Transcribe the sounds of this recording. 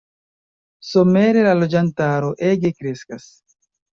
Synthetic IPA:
so̞me̞ɾe̞lalo̞d͡ʒantaɾo̞ʔe̞ɡe̞kɾe̞skas

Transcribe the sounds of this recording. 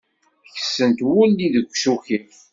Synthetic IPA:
çə̥sːənt̪wʊlːiðəɡʷːsuçi

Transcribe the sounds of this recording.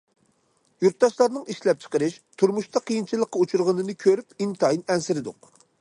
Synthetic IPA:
juɾt̪̚d̪ɑʃlˠɑɾnɨŋiʃlɛp̚t͡ʃʰə̥qəɾɨʃt̪ʰuɾmuʃt̪ɑqʰijint͡ʃʰilˠəqːɑut͡ʃʰuɾʁənɨnɨkʲʰøɾypint̪ɑjinɛnsɪɾɪd̪ʊ̰q̚

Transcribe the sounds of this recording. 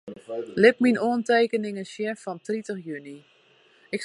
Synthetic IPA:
lɪp̚minoəntejkənɪŋəsjɛfɔntritəxjyni | ɪk

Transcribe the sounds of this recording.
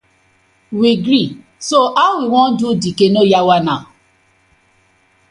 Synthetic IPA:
wiɡɾi | soʔawiw̃ɔ̃n̩dudikenojawanã

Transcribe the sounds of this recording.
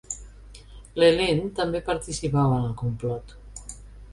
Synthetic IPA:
lelent̪ambepaɾt̪isipawanəlkumplɔt̪

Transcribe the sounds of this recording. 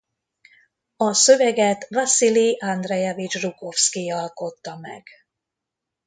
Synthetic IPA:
ɒsøvɛɡɛt̪vasiliʔand̪rɛjɛvit͡ʃruko̞fskiɒlko̞t̪ːɒmɛ̰ɡ̥

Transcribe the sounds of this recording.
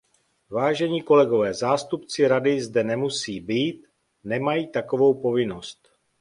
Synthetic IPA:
vaːʒɛɲiːko̞lɛɡo̞vɛːzaːst̪upt͡sɪɾadɪzdɛnɛmusiːbiːt̪̚ | nɛmajiːt̪ako̞vo̞wpo̞vɪno̞st̪

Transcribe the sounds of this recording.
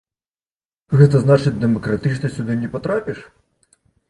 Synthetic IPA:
ɣɛt̪ɐznat͡ʂɨt͡sʲd̪ɛmɐkɾat̪ɨt͡ʂnɐsʲud̪ɨnʲɛpat̪ɾapʲiʂ

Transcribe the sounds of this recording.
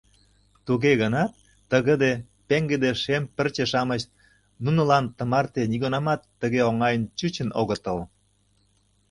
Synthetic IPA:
t̪uɣeɣənɑt̪ː | əɣə̆d̪e | peŋɡed̪eʃempərt͡ɕeʃɑmət͡ɕ | nunə̆lɑnt̪ə̆mɑrt̪eniɣonɑmɑt̪ːəɣeoŋɑjənt͡ɕut͡ɕə̆noɣə̆t̪əl

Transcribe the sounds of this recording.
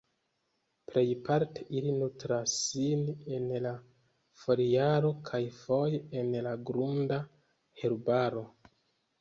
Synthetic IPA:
ple̞jpaɾte̞ʔilinutɾasine̞nla | fo̞ɾijaɾo̞kʰajfo̞jenlaɡɾunda | heɾbaɾo̞

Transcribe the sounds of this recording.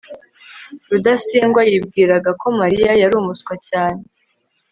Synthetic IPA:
ɾudasiːŋɡwajibɡiːɾaɡako̞maɾijajaɾuːmuskwacaːne

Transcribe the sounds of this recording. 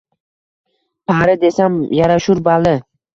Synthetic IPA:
pʰaɾɪd̪esamjaɾaʃʊɾbalɪ

